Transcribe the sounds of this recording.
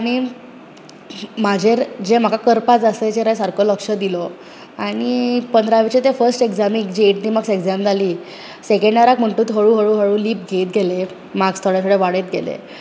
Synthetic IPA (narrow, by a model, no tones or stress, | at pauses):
aɽ̃i | mad͡ʑʱeɾd͡ʑem̤akakəɾpad͡zasett͡ɕeɾajsaɾkoləkʂəd̪ilɔ | aɽ̃ipənd̪ɾaʋit͡ɕet̪efəɾsʈeɡd͡zamĩkd͡ʑieʈniməɡseɡd͡zamd͡zʱaliː | sekẽɳɖaɾak̚m̤əɳʈuːt̪ɦəɭuɦəɭuːɦəɭuːliːp̚ɡʱet̪̚ɡʱele | maɡst̪ʰɔɭjasuɽeʋaɽet̪̚ɡʱelḛ